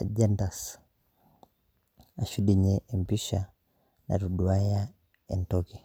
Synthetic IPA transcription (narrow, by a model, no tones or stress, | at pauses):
ʄɛndas | aʃuɗiɲɛʔɛmpiʃa | na̰ɾuɗuaja | ɛntɔki